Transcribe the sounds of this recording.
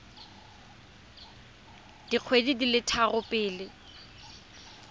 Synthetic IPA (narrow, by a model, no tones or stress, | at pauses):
d̥iq͡χʰwedidilɪtʰarʊpʼɪːlɪ